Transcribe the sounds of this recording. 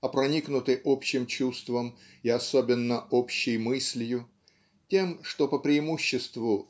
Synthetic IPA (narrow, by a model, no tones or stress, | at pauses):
ɐpɾɐnʲiknʊt̪ɨjʔopɕːɪmt͡ɕust̪vəm | ɪɐsobʲɪnːəopɕːɪjmɨsʲlʲjʊ | tʲe̞mʂt̪o̞pəpɾʲɪːmuɕːɪst̪vʊ